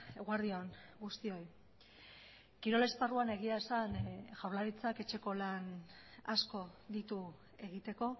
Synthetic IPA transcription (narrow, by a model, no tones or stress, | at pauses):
eɣwaɾðioŋɡust̪io̞j | kiɾo̞le̞sparuane̞ɣiaesanʝawɾlaɾit͡sake̞t͡ʃe̞ko̞lan | asko̞d̪it̪u | e̞ɣit̪e̞ko̞